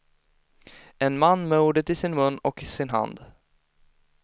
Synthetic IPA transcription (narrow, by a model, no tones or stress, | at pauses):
ɛnmanːmɛuːɖət̪ɪsɪnmɵnːɔkɪsɪnɦa̰nd̪